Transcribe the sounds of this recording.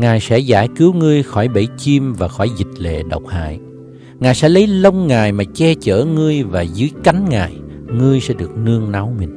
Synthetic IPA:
ŋaː˨˩jsɛ̰˧˥za̰ː˧˩jkɨ˨˦wŋɨ˧əjxɔ˧˩jɓə˧˩jt͡ɕi˧mvaː˨˩xɔ˧˩jzï˨˩k̟̚lḛ˧˨ɗə˨˩wk͡p̚ha̰ː˧˨j | ŋaː˨˩jsɛ̰˧˥lə˨˦jlə˧wŋ͡mŋaː˨˩jmaː˨˩t͡ɕɛ˧t͡ɕə̰ː˧˩ŋɨ˧əjvaː˨˩zɨ˨˦əjka˨˦jŋ̟ŋaː˨˩j | ŋɨ˧əjsɛ̰˧˥ɗɨ˨˩ək̚nɨ˧əŋna˨˦wmï˨˩ŋ̟

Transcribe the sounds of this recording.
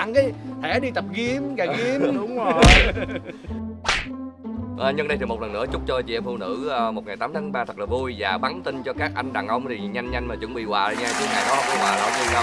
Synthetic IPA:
a˧ŋi˨˦t̪ʰɛ˧˩˦ɗi˧t̪ə˨˩p̚ɣi˧mɣaː˨˩ɣi˧ə˧ɗʊ˨˦wŋ͡mo˩˨˩j | ʔəː˨˩ɲɨ˧ŋɗə˧jt̪ʰi˨˩m̚˨˩lə˨˩nːɨ˧˥ət͡ɕʊ˦˥k͡p̚t͡ɕɔ˧t͡ɕḭ˨˧˨ʔɛ˧mfu˧˩nɨ̰˧˥əː˧mo˨˩t̚ŋa˨˩jt̪aː˨˦mt̪ʰaː˨˦ŋɓaː˧t̪ʰə˨˩k̚laː˨˩vu˧jvaː˨˩ɓa˨˦nt̪i˧nt͡ɕɔ˧kaː˦˥k̚ʔa˧jŋ̟ɗaː˨˩ŋʔə˧wŋ͡mt̪ʰi˨˩ɲa˧jŋ̟ːɲa˧jŋ̟maː˨˩t͡ɕɨ̰˧˥ŋɓḭ˧˨wa̰ː˧˨˧ɲaː˧t͡ɕi˨˩ʔaː˧˩jkɔ˨˦˥kʊ̰˧˦waː˨˩la̰ː˧˩wt̪u˧nɗa˧

